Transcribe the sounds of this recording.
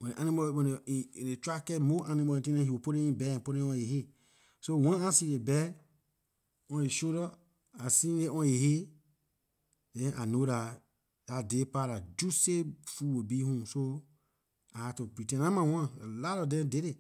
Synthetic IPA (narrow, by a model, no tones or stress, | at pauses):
wɛ̃eʔanimɔɛ̃ẽɾet͡ʃʷakɛmoʔanimɔĩtĩnɛ̃hiopoɾẽĩbɛɛ̃poɾẽɔ̃jehe | sowãasiɾebɛ | ɔ̃eʃõɾɔ | asĩleɔ̃jehe | ɛ̃ʔanoɾa | jadepaɾad͡ʒusefuwobihũso | ahatopɾitɛ̃nãmãwãelaɾɔdɛ̃deɾe